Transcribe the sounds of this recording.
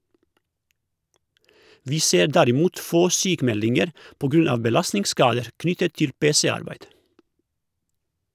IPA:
ˈʋiː ˈseːɾ ˈdæɾɪˌmuːt ˈfoː ˈsyːkˌmɛlɪŋəɾ ˈpoː ˈɡɾʉn ˈɑːʋ bəˈlɑsnɪŋˌskɑːdəɾ ˈknʏtət ˈtɪl ˈpeːsɛˌɑɾbæɪd

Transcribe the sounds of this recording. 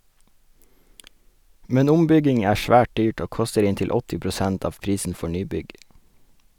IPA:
ˈmɛn ˈʊmˌbʏɡɪŋ ˈæː ˈʃʋæːʈ ˈdyːʈ ˈoː ˈkɔstəɾ ˈɪntɪl ˈɔtɪ pɾʊˈsænt ˈɑːʋ ˈpɾiːsn̩ ˈfɔ ˈɳyːˌbʏɡ

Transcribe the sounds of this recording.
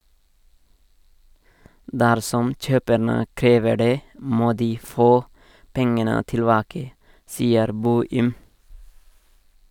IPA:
ˈdæɾsɔm ˈc͡çøːpəɳə ˈkɾeːʋə ˈɖeː ˈmoː ˈdiː ˈfoː ˈpɛŋənə tɪlˈbɑːkə ˈsiːəɾ ˈboːɪm

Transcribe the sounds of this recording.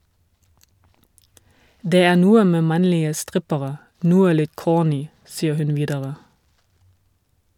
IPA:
ˈdeː ˈæː ˈnuːə ˈmeː ˈmɑnlɪə ˈstʁɪpəʁə ˈnuːə ˈlɪt ˈkoːˌnyː ˈsiːə ˈhʉn ˈʋiːdəʁə

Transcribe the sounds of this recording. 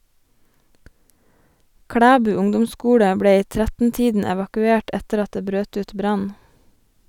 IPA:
ˈkɽæːbʉː ˈʊŋdʊmˌskuːɽə ˈbɽeː ˈiː ˈtɾætn̩ˌtiːdn̩ ɛʋɑkʉˈeːʈ ˈɛtəɾ ˈɑt ˈdeː ˈbɾøːt ˈʉːt ˈbɾɑn

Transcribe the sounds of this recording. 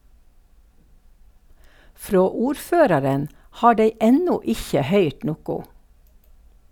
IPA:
ˈfɾoː ˈuːɾˌføːɾɑɾən ˈhɑː ˈɖeɪ ˈɛnʊ ˈɪçə ˈhœʏʈ ˈnʊkʊ

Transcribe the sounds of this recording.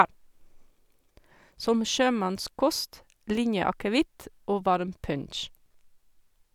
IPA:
ˈsɔm ˈʃøːˌmɑnˌskɔst ˈlɪnjəɑkəˌʋɪt ˈʔoː ˈʋɑɾm ˈpœnʃ

